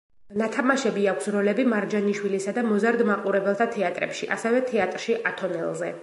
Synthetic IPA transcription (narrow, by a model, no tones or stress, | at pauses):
nat̪ʰamaʃɛbiakʷʰsɾɔlɛbimaɾd͡ʒaniʃwilisad̪amɔzaɾd̪maqʼuɾɛbɛlˠt̪ʰat̪ʰɛat̪ʼɾɛ̰pʃiʔa̰sɛvɛt̪ʰɛat̪ʼɾʃiʔat̪ʰɔnɛlˠzɛ